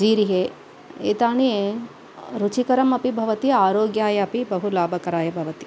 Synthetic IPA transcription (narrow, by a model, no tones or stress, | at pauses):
d͡ʒiːɾiɦeː | eːt̪aːɳie | ɾut͡ʃikɐɾɐmɐpibʱɐʋɐt̪iaːɾoːɡjaːjɐɐpibɐɦulaːbʱɐkɐɾaːjɐbʱɐʋɐt̪i̥